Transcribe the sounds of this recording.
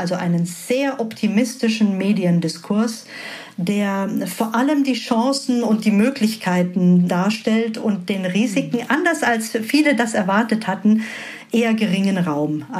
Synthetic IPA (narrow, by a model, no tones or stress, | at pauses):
alzoʔaɪnənz̥eːɐʔɔptʰimɪstɪʃn̩meːdiəndɪskʰʊɐs | d̥eːɐfoːɐʔaləmdiːʃɑ̃ːsn̩ʊnt̚d̥iːmøːklɪçkʰaɪtn̩daːɐʃtɛltʊnt̚d̥eːnʁiːzɪkŋ̩ʔandɐsalsfiːlədasɛɐvaɐtəthatn̩ | ʔeːɐɡəʁɪŋənʁaʊm